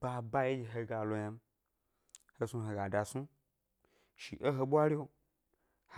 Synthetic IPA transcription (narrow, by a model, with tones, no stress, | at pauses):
ba˧˨ba˦je˦d͡ʒi˨ɦe˧˦ɡa˨lo˧ja˧m̩˦ | he˧su˧ɦe˧ɡa˨da˨su˦ | ʃḭ˨ʔe˦ɦo˧ɓʷa˦ɾi˦o˧ | h